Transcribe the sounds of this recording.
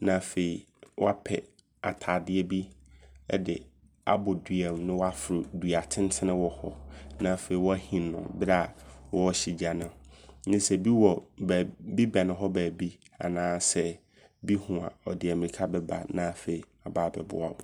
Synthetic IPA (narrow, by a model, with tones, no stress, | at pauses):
nã˨fe˨i˨ | wʔɔ˦a˦pʰɛ˨ | a̰˨tʰaː˨dɪ˦ɛ˦bḭ˦ | dɪ˨ | a̰˨bʊ˨dɥɛ˨m˨nɪ̃˦wɔ˦a˦fɪ˨ɾʊ˨dɥa˨tʰɪ̃˦n˦tʰɪ̃˦nɪ̃˦wɔ˨hɔ˦nã˨fe˨i˨wɔ˦æ˦hĩ˨nʊ̰̃˨bɪ˦ɾa˦˨wɔ˦ɕi˨d͡ʑa˨nɪ̃˨nɪ̃˦sɛ˨bi˦wɔ˨bbi˦ba˨nɪ̃˨ɦɔ˦bæː˨bi˦ | a̰˨nãː˦sɛ˦ | bi˦hũ˨a̰˨ɔ˨dɪ˨ɛ˨mɪ̃˨i˨kʰa˦bɛ˦ba̰˨nã˦˨fe˨i˨ | a˨baː˦˨bɛ̰˨bʊ̰˦a˨wʊ˨